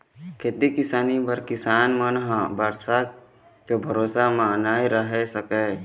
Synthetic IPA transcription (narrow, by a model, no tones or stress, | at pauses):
kʰet̪ikɪsaːnibəɾkɪsaːnmənɦãbəɾsa | kebʱəɾoːsamãənaːiɾəɦesəkɛː